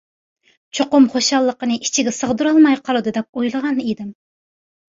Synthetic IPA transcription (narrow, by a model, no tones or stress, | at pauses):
t͡ʃʰoqʊmχoʃɑlˠːəqənɨʔi̥t͡ʃʰiɡʲɛsəʁd̪uɾɑlˠmɑjqʰɑlˠɨd̪ɨd̪ɛp̚ojlˠəʁɑnid̪ɪm